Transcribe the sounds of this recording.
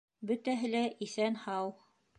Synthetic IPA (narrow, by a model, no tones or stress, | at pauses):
bɵ̆t̪æɦɘ̆læʔisænhɑw